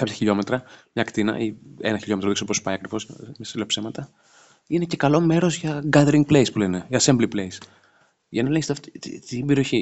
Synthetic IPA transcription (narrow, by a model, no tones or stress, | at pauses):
kɐpçɐçiʎo̞me̞t̪ɾɐmɲɐkt̪inɐ̰ʔiḛnɐçiʎo̞met̪ɾoðiksoposu̥pɐjɐkɾivo̞smesilepse̞mɐt̪ɐ | inece̞kɐlo̞me̞ɾo̞zʝɐɡɐðeɾiŋɡplespule̞ne̞ʝɐsembliplejs | ʝɐnɐleçsft̪ibeɾio̞çi